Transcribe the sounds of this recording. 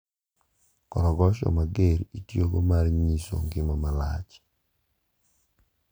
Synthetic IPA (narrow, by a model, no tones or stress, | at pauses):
kɔɾɔɡɔʃɔ̰maɡeɾitjoɡomarɲiso̰ŋɡɪmamala̰t͡ʃ